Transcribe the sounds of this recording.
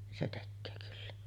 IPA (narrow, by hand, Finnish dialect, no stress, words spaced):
nin se tekːøː kylːæ